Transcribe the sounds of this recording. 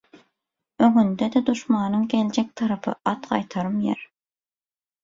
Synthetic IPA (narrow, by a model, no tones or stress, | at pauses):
øŋynd̪ed̪ed̪uʃmɑːnɯŋɡʲeld͡ʒek̚t̪ʰɑɾɑpʰɯ̰ɑt̪ɢɑ̰jt̪ʰɑɾɯmjḛɾ